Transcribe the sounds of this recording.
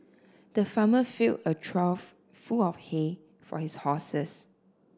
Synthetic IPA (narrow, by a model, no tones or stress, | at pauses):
d̥əfaməfilətʰɹalf | fulɔfhe | fɔ̰hishɔsəs